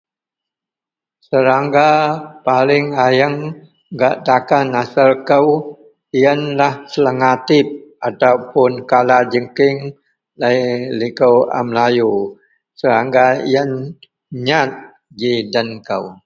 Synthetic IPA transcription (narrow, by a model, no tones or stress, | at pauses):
səɾaŋɡapalɪŋajəŋ | ɡaʔt̪akanasəlkəw | iənlahsələŋat̪ɪp̚at̪aupʊnkalad͡ʒəŋkɪŋ | lajlikəwa̰mlaju | səɾaŋɡaijən | ɲat̪̚ | d͡ʒidənkəw